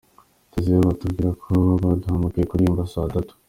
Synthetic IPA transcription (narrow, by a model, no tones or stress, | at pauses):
t̪ezioβatuɡiɾakʰoβaduhamukekuɾimbasad̪at̪u̥